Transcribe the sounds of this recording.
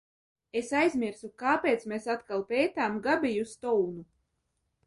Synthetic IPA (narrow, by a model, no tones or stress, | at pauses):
esajzʲmʲiɾsukaːpʲeːt̪smʲesat̪kalˠpʲeːt̪aːmɡabʲijust̪ɔwnu